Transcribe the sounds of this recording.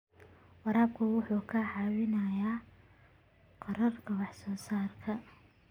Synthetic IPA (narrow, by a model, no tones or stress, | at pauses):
wɑɾaːb̚kʰʊwʊħuːkʰɐʕɑwɪnɐjaː | qɑɾɐrkʰɐwɑħsɔːsaːrkʰɐ